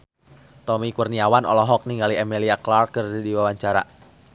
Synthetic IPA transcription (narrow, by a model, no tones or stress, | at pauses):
t̪ɔmikurniawanɔ̰lɔɦɔk̚niŋɡaliɛmiliaklarkɨrdiwawaɲt͡ʃaɾa̰